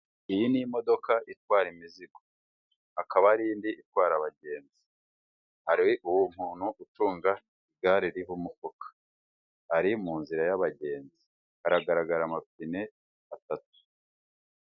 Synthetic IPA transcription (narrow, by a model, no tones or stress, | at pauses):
ijinimo̞do̞kaʔitwaːɾimiziɡo̥ | akaβaɾiːndiʔitwaːɾaβaɟe̞ːnzi | haɾiʔuwum̥huːnhuʔutuːŋɡa | iɡaɾiɾiβumukokḁ | haɾimuːnziɾajaβaɟe̞ːnzi | haɾaɡaɾaɡaɾamapine̞ | atat̚u̥